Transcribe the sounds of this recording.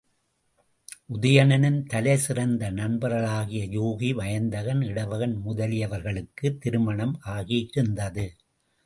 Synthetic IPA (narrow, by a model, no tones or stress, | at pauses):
ʔʊðɐjɐnɐnɪnt̪ɐlɐɪsɪrɐnd̪ɐnɐɳbɐɾɐɭaːɣɪjɐjuːɣiʋɐjɐnd̪ɐɣɐnɪɽɐʋɐɣɐnmʊðɐlɪjɐʋɐɾɣɐɭɯkːɯt̪ːɪɾɯmɐɳɐmʔaːɣiɪɾɯnd̪ɐðɯ